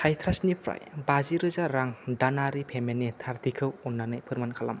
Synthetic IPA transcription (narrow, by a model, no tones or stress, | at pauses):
tʰajtʰɾasnipʰɾa̰jbaziɾɯzaɾaŋdanaɾipʰemenːitʰaɾtʰikʰɯwunːanɯjpʰɯɾmankʰala̰m